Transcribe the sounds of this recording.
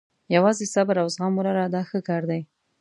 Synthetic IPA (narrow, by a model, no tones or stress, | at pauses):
jawɑzesabaɾawzɣɑmuɾaɾad̪ɑxəkɑɾd̪aj